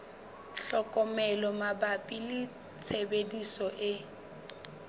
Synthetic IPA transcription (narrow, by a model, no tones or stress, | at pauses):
ɬɔkʼɔmɛlɔmabapʼilɪ | t͡sʰebedisɔʔɪ